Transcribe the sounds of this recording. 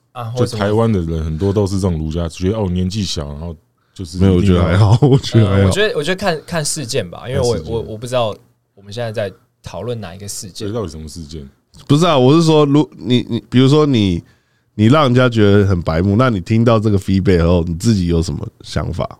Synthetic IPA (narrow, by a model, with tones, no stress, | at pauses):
a˧˥˩t̪ʰa˧˦ɪwa˦nd̪ə˨ɻə˦nxə˨˩nt̪wɔ˦t̪o˥ʊʂ̬̩˥˧ʈ͡ʂŋ˩lu˧˥t͡ɕja˦˨˩t͡ɕɥɛ˧˥ə˧o˥˩˨njɛ˧˦nt͡ɕi˥˩ɕjɑ̰˨˦ʊna˧˦nxo˥˧ʊ | t͡ɕjo˥˧ʊʂɻ̩˥˧e˥jo˨t͡ɕɥɛ˧˥d̪ə˧a˧˦ɪxɑ˨˩˦ʊwɔ˨˩t͡ɕɛ˦˥d̪ə˧a˧˦xɑ̰˨t͡ɕɛ˦˥d̪ə˧˨wɔ˨˩t͡ɕo˧d̪ə˧kʰa˥˧nkʰa˥˧nʂɻ̩˥˧t͡ɕjɛ˥˩nba̰˨ʔḭ˥nwe˥˩wwɔ˨˩wɔ˨˩pu˥˧ʈ͡ʂɻ̩˥t̪ɑ˥˩ʊ | wɔ˨˩mə˦nɕjɛ˥˧nt͡sa˥˧t͡sa˥˩ɪ | t̪ʰɑ˨˩ʊlwə˥˩na˨˩i˧˥ɡə˨˧ʂɻ̩˥˧t͡ɕjt̪i˨˩ə˧˥mə˧˩ʂɻ̩˥˧t͡ɕjɛ˥˩n | pu˧˥ʂ̩˥˩a˨wɔ˨˩ʂɻ̩˥˩ʂwɔ˥lu˧˥ni˨˩ni˨˩pi˨˩ɻu˧˥ʂ̬wɔ˦ni˨˩ | ni˨˩ɻɑ˥˨˩ŋ˨˩t͡ɕja˦˥t͡ɕɥɛ˧˥d̪ə˧xə˨˩npa˧˥ɪmu˥˧˦na˥˩ni˨˩t̪ʰi˦ŋt̪̬ɑ˥˧ʊʈ͡ʂɤ˥˩ɡə˩fi˥p̬e˥˩ɪxa˧˥˦xo˥˩ʊni˨˩t͡sɹ̩˥˩t͡ɕi˨˩jo˧˥ʊʂə˧˥nmə̰˧ɕjɑ̰˧˦ŋfa̰˨˩